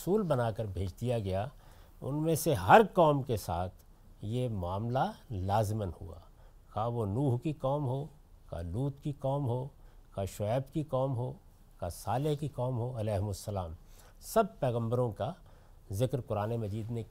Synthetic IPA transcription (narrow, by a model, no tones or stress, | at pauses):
suːlbɐnaːkəɾbʱeːd͡ʒd̪ijaɡɐja | ʊ̰nmẽseɦɐɾkɔːmkesaːt̪ʰ | jemʊaːmlalaːzɪmənhṵa̰ː | kaːʋonuːɦkikɔːmɦoː | ka̰luːt̪kikɔːmɦoːkaʃʊɛːbkikɔːmɦoː | kasaːlɪɦkikɔːmɦoɐlɛːɦmʊsːɐlaːm | sɐb̚pɛːɣə̃mbəɾõka | zɪkɾkʊɾaːnemɐd͡ʒiːd̪ne